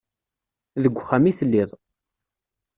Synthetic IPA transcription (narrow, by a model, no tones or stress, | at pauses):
ðəɡʷːχːamiθəlːɪðˤ